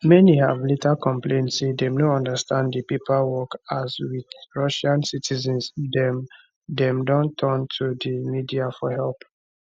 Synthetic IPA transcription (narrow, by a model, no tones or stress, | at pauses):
mɛnihavlitakɔ̃mplẽntsedɛmnoɔ̃ndəstʰãndipipʰawɔkazwiðɹɔʃãnsitʰizɛ̃nsdɛm | dɛ̃mdɔ̃ntʰɔ̃ntʰudimidiafɔhɛlp